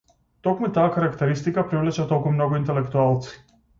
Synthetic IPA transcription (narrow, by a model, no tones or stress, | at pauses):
t̪ɔkmut̪aːkaɾakt̪ɛɾist̪ikapɾivlɛt͡ʃat̪ɔlˠkumnɔɡoint̪ɛlɛkt̪ualˠt̪si̥